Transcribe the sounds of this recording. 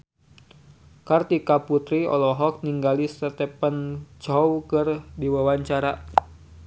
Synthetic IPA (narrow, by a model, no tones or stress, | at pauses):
kart̪ikaput̪ɾiɔ̰lɔɦɔk̚niŋɡalisət̪ɛpənt͡ʃɔwkɨrdiwawaɲt͡ʃaɾa